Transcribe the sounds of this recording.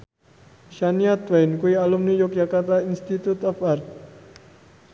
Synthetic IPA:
ʃaniat̪wajnkuialumnijɔk̚jakart̪ainst̪it̪ut̪ɔfart̪̚

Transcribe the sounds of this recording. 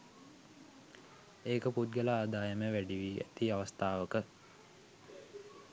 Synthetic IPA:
eːkəput̪̚ɡəlaːd̪aːjəməʋæɖiʋiæ̰t̪iaʋəst̪aːʋəkə

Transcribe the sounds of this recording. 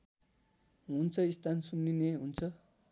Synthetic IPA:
ɦunt͡sʰʌist̪ansunːineɦunt͡sʰʌ

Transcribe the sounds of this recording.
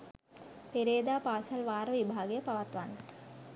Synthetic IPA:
peɾeːd̪aːpaːsɐlʋaːɾɐʋibʱaːɡɐjɐpɐʋɐt̪ʋan

